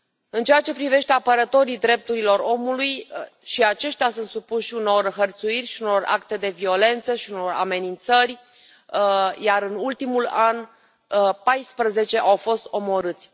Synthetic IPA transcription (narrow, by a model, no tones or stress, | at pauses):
ɨnt͡ʃejat͡ʃe̞pɾive̞ʃt̪e̞apəɾət̪o̞ɾid̪ɾe̞p̚t̪uɾilo̞ɾo̞mulujʃiat͡ʃe̞ʃt̪ejasunt̪supuʃʃiuno̞rɦərt̪suirʲʃiuno̞ra̰kt̪e̞d̪e̞vio̞le̞nt̪səʃiuno̞ra̰me̞nint̪sərʲ | jaɾɨnult̪imulan | pajspɾəze̞t͡ʃe̞ʔawfo̞st̪o̞mo̞ɾɨt̪sʲ